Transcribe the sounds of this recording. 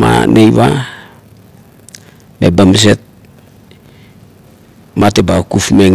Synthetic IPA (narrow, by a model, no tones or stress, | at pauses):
ma̰nejβa | mebams̬e̞t̚ | matebakufmeŋ